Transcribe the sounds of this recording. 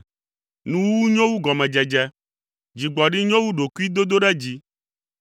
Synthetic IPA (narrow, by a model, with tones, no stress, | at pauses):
nũ˨wu˦wu˦ɲõ˦wu˦ɡɔ˨mɛ̃˨d͡ʒɛ˨d͡ʒɛ˦ | d͡ʑi˨ɡ͡bɔ˨ɖi˦ɲõ˦wu˦ɖo˨ku˦i˦d̪o˦d̪o˦ɖɛ˦d͡ʑi˦